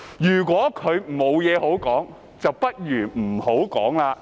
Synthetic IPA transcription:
jyː˨˩k̬ʷwɔː˨˥kʰɵ˨˧ɥmo˨˧wjɛː˨˧ho˨˥wkɔː˨˥ŋ | t͡sɐ˨wpɐ˥t̚ɥyː˨˩m̩˨˩ho˨˥wkɔː˨˥ŋlaː˧

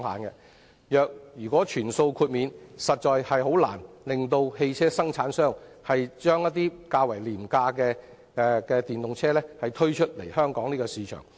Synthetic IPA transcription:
ŋha̰ː˨˩nkɛ˧ | jœː˨k̚jyː˨˩kʷwɔː˨˥t͡ʃʰyː˨˩nso˧wkʰuː˧t̚miː˨˧nsɐ˨t̚t͡ʃɔː˨jhɐ˨jɦo˨˥wla̰ː˨˩nlɪ˨ŋt̪o˧whe˧jt͡sʰɛː˥sɐ˥ŋt͡sʰaː˨˥nsœː˥ŋhɐ˨jt͡ʃœː˥ŋjɐ˥t̚t̪iː˥kaː˧wɐ˨˩jliː˨˩mkaː˧kɛː˧ | ɛ˧kɛː˧t̪iː˨˩nt̪ʊ˨ŋt͡sʰɛː˥lɛː˥hɐ˨jt̪ʰɵ˥ɥt͡ʃʰɵ˥t̚lḛ˨˩jhœː˥ŋkɔː˨˥ŋniː˥kɔ˧siː˨˥t͡ʃʰœ̰ː˨˩ŋ

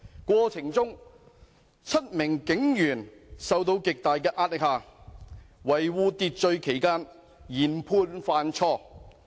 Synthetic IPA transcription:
kʷɔː˧t͡sʰɪ˨˩ŋt͡sʊ˥ŋ | t͡sʰɐ˥t̚mɪ˨˩ŋkɪ˨˥ŋjyː˨˩nsɐ˨wt̪o˧wkɪ˨k̚t̪aː˨jk̬ɛː˧ʔaː˧t̚lɪ˨k̚haː˨˩ | wɐ˨˩jwuː˨˧t̪i˨˧t̚t͡ʃɵ˧ɥkʰe˨˩jkaː˥n | jiː˨˩npʰuː˧nfaː˧nt͡ʃʰɔː˥˩

